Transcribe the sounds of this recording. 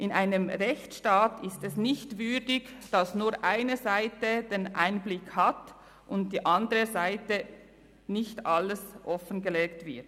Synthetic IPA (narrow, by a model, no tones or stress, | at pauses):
ʔɪnʔaɪnəmʁɛçt͡sʃtaːtʰɪstɛsnɪçtvʏɐdɪɡd̥ɑsnuːʁʔaɪnəzaɪtəd̥enʔaɪnblɪkhɑt | ʊnt̚d̥iːʔɑndəʁəzaɪtə | nɪçtʔɑləsʔɔfənɡəlɛːktvɪɐt